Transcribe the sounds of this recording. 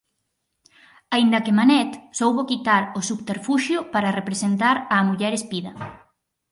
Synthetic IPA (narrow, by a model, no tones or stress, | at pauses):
aind̪ɐkemanɛt̪sowβokit̪aɾosupt̪eɾfuʃjʊpaɾarepɾesent̪aɾamuʎɛɾespiðɐ